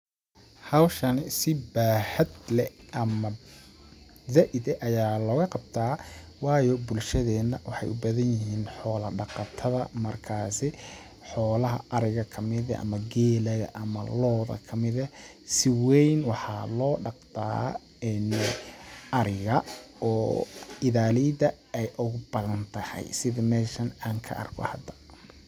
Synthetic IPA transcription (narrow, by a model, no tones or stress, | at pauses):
hɐwʃɐnɪsɪbaːhɐd̪lɛʔɐmɐ | zaʔɪd̪ɛʔɐjaːlɔːɣɐqɑb̚t̪ʰaːwɑːjɔbʊlʃɐðɛːnːɐwɑħɑ̰jʊbɐðɐnjɪɦiːnħɔːlɐɖɑqɑt̪ʰɐðɐmɐrkʰaːsɪ | ħɔːlɐɦɐ̰ʔɐɾɪɣɐkʰɐmɪðɐʔɐ̰mɐɡɛːlɐɣɐ̰ʔɐmɐ̰lɔːðɐ̰kʰɐmɪðɐ | sɪwɛjnwɑħɑ̰ːlɔːɖɑqd̪a̰ː | ɛn | ʔɐɾɪɣɐɔːɪðaːlid̪ɐ | ɛjʔʊɣʊbɐðɐnt̪ʰɐhɛ̰jsɪðɐmɛːʃɐnaːŋkʰɐ̰ʔɐ̰rkʰɔ̰hɐd̪ɐ̥